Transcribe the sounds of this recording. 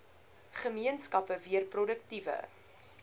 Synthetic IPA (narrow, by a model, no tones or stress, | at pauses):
χəmiənskɐpəviərprɔdəktivə̰